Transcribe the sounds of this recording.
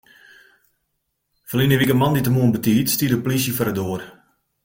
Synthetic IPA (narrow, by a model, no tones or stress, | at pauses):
fəlinəʋikəmanditəmuənbətiːtstiədəplisjəfɔɾədoːər